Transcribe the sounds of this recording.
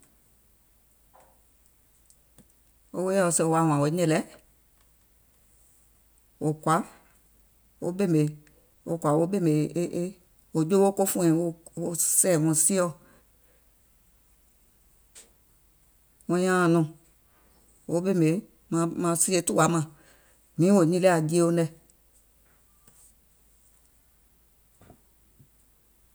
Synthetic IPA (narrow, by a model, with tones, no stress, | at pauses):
o˦we˦jɛ˦˨o˧˨se˧o˨˧a˨w̃ã˨wo˨˦ɲɛ̃˨lɛ˨˦ | wo˨kʷa˨˦ | wo̰˦be˦˨me˨ | o˨kʷa˨wo˦be˦˨me˨˦ʔe˦ | wo˨d͡ʒo˦wo˦ko˦fũ˦ɛ̃˨wo˦o˦sɛ˨wɔ̃˨si˦ɔ˦˨ | wɔ̃˧˦j̃ã˦˨nɔ̃˨ | wo˨˦be˦˨me˨ | mã˧mã˧˦si˦e˦tu˦wa˨˦mã˨ | mĩ˨˦o˨ɲĩ˦le˦a˨di˦e˦o˦nɛ˧˨